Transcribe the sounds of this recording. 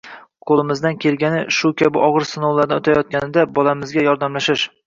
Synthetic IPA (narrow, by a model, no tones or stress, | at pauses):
qʰolˠɪmɪzd̪ankʲʰe̞lɡʲanɪʃʊkʲabɪʔɒʁɨɾsɪnowlˠaɾd̪aʊt̪ʰajɒt̪̚kʲanɪd̪abɒlˠamɪzɡʲajɒɾd̪amlaʃɪʃ